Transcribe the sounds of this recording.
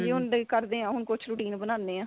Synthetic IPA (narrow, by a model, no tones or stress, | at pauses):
d͡ʒeːɦʊnɖəkəɾd̪eːãːɦʊnkʊt͡ʃʰɾuːʈiːnbənãːnd̪eːãː